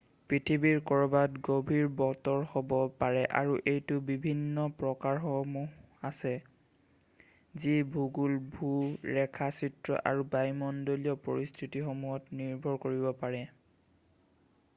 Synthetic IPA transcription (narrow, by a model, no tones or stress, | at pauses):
pɹitʰibiɹkɔɹɔbatɡobʱiɹbɔtɔɹxɔbɔpaɹɛʔa̰ɹuʔejtʊbibʱinːɔpɹɔkaɹxɔmuɦasɛ | zibʱuɡulbʱuɹɛkʰasitɹɔ̰ʔa̰ɹubajmɔndoliɔpoɹistʰitixomuɦɔtniɹbʱɔɹkoɹibɔpaɹɛ